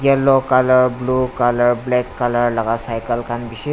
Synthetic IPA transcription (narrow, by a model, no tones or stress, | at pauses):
jɛlɔkaləɾblukaləɾblɛkːaləɾlaɡasajkəlkʰanbise